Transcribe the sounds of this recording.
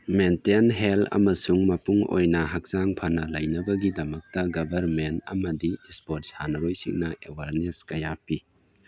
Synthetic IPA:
mentenɦelɐ̰mɐsuŋmɐpuŋo̰jnɐɦɐk̚zaŋpʰɐnɐlɐjnɐbɐɡidɐmɐk̚tɐɡɐbʱɐɾmentɐ̰mɐdispot̚shanɐɾojsḭŋnɐʔewaɾneskɐjapi

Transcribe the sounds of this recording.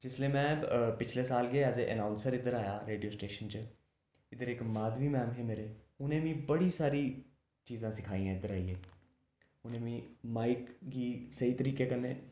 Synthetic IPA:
d͡ʒɪsleːmɛ̃ːpɪt͡ʃʰleːsaːlɡeːɛːd͡ʒeːʔə̰naːʊnsəɾɪd̪əɾaːjaːɾeːɖijoːsʈeːʃənt͡ʃə | ɪd̪əɾɪkmaːd̪ʋiːmɛːmɦeːmeːɾeː | ʊnẽːʋĩːbəɽiːsaːɾiː | t͡ʃiːzãːsɪkʰaːĩːãːɪd̪əɾaːiːeː | ʊnẽːʋĩːmaːɪkɡiːsəiːt̪əɾiːkeːkənːeː

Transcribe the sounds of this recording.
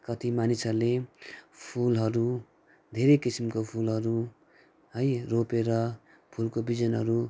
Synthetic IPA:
kʌt̪imanisʌle | pʰulɦʌɾu | d̪ʱeɾʌkisimkopʰulɦʌɾu | ɦʌjropeɾʌ | pʰulkobid͡zʌnɦʌɾu

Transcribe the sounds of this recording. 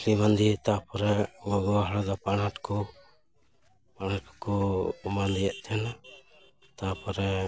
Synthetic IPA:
limand̪it̪apɔɾɛmɡɔwaɦɽɔd̪ɔpanaʈkɔ | panaʈ̚kɔ̥kɔmand̪ijɛʔt̪ʰɛna | t̪apɔɾɛ

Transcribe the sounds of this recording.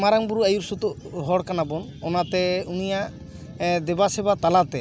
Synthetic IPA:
maɾaŋbuɾuajuɾsut̪uɦɔɽkanabɔn | ɔnat̪ɛunijaʔ | d̪ɛbasɛbat̪alat̪ɛ

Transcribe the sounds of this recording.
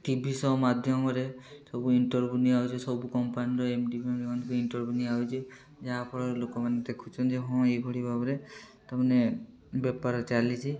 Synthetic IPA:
ʈibʱisɔmad̪ʱjɔmɔɾesɔbuinʈɔɹbuniawd͡ʒʰɔsɔbukɔmpaniɾɔemʈibʱiɔmikɔnd̪ikɔinʈɔɹbuniad͡ʒe | d͡ʒaapɔɾaɾlokɔmaned̪ekʰũt͡ʃʰɔnd͡ʒeɦɔ̃eɡʱɔɽibʱabɔɾet̪amane | bɛpaɾɔt͡ʃalit͡ʃʰi

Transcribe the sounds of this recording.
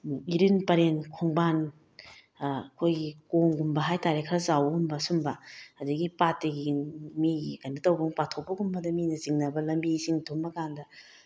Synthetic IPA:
iɾinpɐɾenkʰoŋban | kʰojɡikoŋɡumbɐɦajtaɾekʰɾɐzawɡumbɐsumbɐɐduɡipatːeɡimiikɐndɐtɐwbuŋpatʰok̚pɐɡumbɐdɐminɐziŋnɐbɐlɐmbisiŋtʰombɐkandɐ

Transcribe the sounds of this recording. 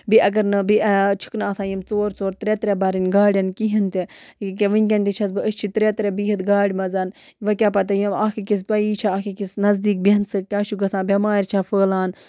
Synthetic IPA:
biʔɐɡɐɾnɨbit͡ʃʰu̥knaːsãːjimt͡soːɾt͡soːɾt̪ɾʲet̪ɾʲebɐɾinʲɡaːɽʲɐnkiɦint̪ik̬eʋɨnʲkʲɐnʲt̪it͡ʃʰɐs̬bɨəst͡ʃʰit̪ɾet̪ɾʲebiɦɨt̪ɡaːɽʲmɐzɐn | ʋɐkʲapɐt̪̬ɐjimaːkikis̬pɐiːt͡ʃʰaɐkikisnɐzd̪iːk̚binsɨkʲaːʃuɡɐsãːbʲɐmaːɾʲt͡ʃʰafəːlaːn

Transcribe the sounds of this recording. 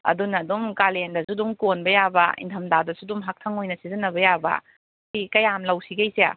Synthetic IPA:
ɐ̰dunɐːdumkalendɐsudumkonbɐjabɐ̰ḭntʰɐmdadɐsudumɦak̚tʰɐŋojnɐsizɐnːɐbɐjabɐ̰ | sikɐjamlɐwsiɡejsea̰

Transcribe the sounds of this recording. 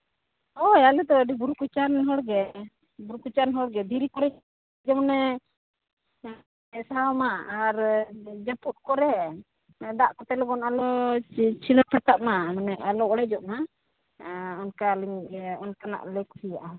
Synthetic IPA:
ɔjalɛt̪ɔəɖibuɾukut͡ʃaɾnɦɔɽɡɛ | buɾukut͡ʃaɾnɦɔɽɡɛd̪iɾikɔɾɛ | d͡ʒɛmɔnɛ | ɛsaawmaːɾd͡ʒaput̪̚kɔɾɛ | d̪aʔkɔt̪ɛlɔɡɔnalɔt͡ʃilɔɾpʰɛt̪aʔ̚mamanɛalɔɔɽɛd͡ʒɔʔna | ɔnkaliɲɔnkana̰ʔlɛkusijaʔa

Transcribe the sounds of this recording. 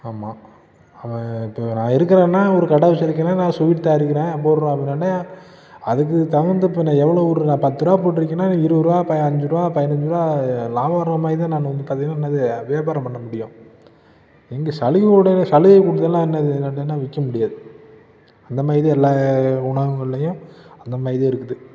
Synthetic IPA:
aːmaː | ɐʋɛ̃ɪpːoːnãːɪɾɯkːɪɾẽːnːaːɔɾɯkɐɽɐʋɐsɪɾɯk̬ːɐnaːnãːsʊʋɪʈt̪aːɪɾɯkːɪɾẽːɐp̬ːoːɾɯɾõːɐpɽɪnːaːnːaː | ɐðɯk̬ːɯt̪ɐʋɐɾnd̪ɯpːɛnːãɛʋːɐɭoːɔɾɯnãːpɐt̪ːɯɾaːpoːʈːɪɾɯk̬ːɐnːaːɪɾɯɾɯaːpɐɐɲd͡ʒɯɾɯʋaːpɐðɪnɐɲd͡ʒɯɾaːlaːʋaːɾɐmaːɾɪðɯ̃naːnʋɐnd̪ɯkɐðɐjlãɛnːɐðɯʋeːbaːɾɐmpɐɳːɐmʊɽɪjʊ̃ | ɛŋɡɐsɐlɯɣɽɐnɐsɐlɪɣɐkʊɽɯt̪ːɐlːãːɛnːɐðɯnːɐnːɐnːãːʋɪkːɐmʊɽɪjaːðɯ | ɐnd̪ɐmaːɾɪðɯɛlːaːʊɳɐʋɐŋɡɐɭɪlːɐjʊ̃ɐnd̪ɐmaːɾɪðɯːɪɾɯkːɯðɯ

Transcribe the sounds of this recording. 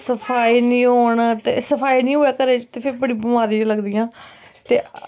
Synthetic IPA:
səpʰaːiːnĩːɦoːɳt̪eːsəpʰaːinĩːɦoːɛːkəɾeːt͡ʃt̪eːpʰɪɾbəɽiːbəmaːɾiːt͡ʃləɡd̪iːjãː | t̪eː

